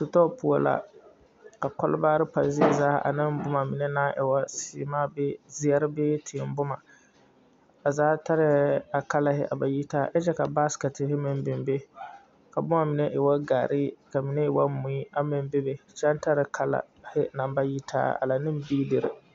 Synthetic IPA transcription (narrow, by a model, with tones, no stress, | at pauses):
sʊ˨tɔ˦pʊ˨o̰˨la̰˨ | ka˨kɔ˦lbaː˦ɾɪ˦pa˨zɪ˦ɛ˦zaː˦ʔa̰˨nɪ˦m˦bʊ˦ma˨mɪ˨nɛ˦naː˦ʔɛ˨wa˦si˨˦maː˦bɪ˦zi˦a˦ɾɪ˦bɪː˦tʰɪ˨˦˨m˦bʊ˦ma˨ | a˨zaː˦ta˦ɾɪ˨a˨ka˦la˦˨hɪ̰˦ʔa̰˨ba˨ji˦taː˦ʔɛ˦t͡ʃɛ˦ka˨ba˦ska˨tɪ˨ɦɪ˦mɪ˨mbɪ˨mbe˦ | ka˨bʊ˦ma˨mɪ˨nɛ˦ʔɪ˨wa˦ɡa̰ː˨ɾɪ˦ka˨mi˨nɛ˦ɪ˨wa˦mʊ̃˨i˦a˦mɪ˨m˦be˦be˨t͡ʃa˦n˦ta˦ɾɪ˨kʰa˦la̰˨ | hɪ˦na˨m˦ba˦ji˦tʰa̰ː˦a̰˨la˨nɪ˦m˦biː˦dɪ˨ɾɪ̰˨